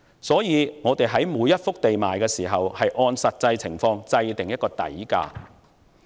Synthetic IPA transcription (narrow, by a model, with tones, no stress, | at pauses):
sɔː˨˥jiː˨˧ŋɔː˨˧t̪e˨jɦɐ˨˥jmuː˨˧jːɐ˥t̚fʊ˥k̚t̪e˨jmaː˨jkɛː˧siː˨˩ɦɐ˨whɐ˨jʔɔː˧nsɐ˨t̚t͡sɐ˧jt͡sʰɪ˨˩ŋfɔː˧ŋt͡sɐ˧jt̪ɪ˨ŋjɐ˥t̚kɔː˧t̪ɐ̰˨˥jka̰ː˧